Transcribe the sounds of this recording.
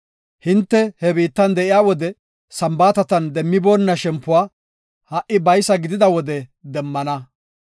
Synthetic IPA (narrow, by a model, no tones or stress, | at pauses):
hɪnt̪ːɛhɛbiːt̪ːɐnd̪ɛʔɪjaːwɔd̪ɛ | sɐmbaːt̪ɐt̪ɐnd̪ɛmːɪboːnːɐʃɛmpːʊwaː | hɐʔɪbɐjsɐɡɪd̪ɪd̪ɐwɔd̪ɛd̪ɛmːɐnɐ